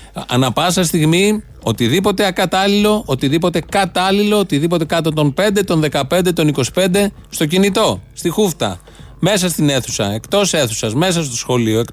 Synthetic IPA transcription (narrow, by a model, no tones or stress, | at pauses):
ɐ̰nɐpɐsɐst̪iɣmi | o̞t̪iðipo̞t̪e̞ɐkɐt̪ɐlilo̞ʔot̪iðipo̞t̪e̞kɐt̪ɐlilo̞ot̪iðipo̞t̪e̞kɐt̪ot̪o̞mpe̞nd̪e̞t̪o̞nðe̞kɐpe̞nd̪e̞t̪o̞niko̞si̥pe̞nd̪e̞ | st̪o̞cinit̪o̞st̪ixuft̪ɐ̰ | me̞sɐst̪ine̞θu̥sɐ̰e̞kt̪o̞seθusɐzme̞sɐst̪o̞sxo̞lioek